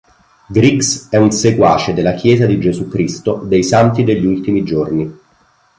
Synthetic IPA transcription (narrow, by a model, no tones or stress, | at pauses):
ɡɾiksɛunsekwaːt͡ʃed̪elːak̟jɛːzad̪id͡ʒezukɾist̪od̪ejsant̪id̪eʎːiult̪imid͡ʒorni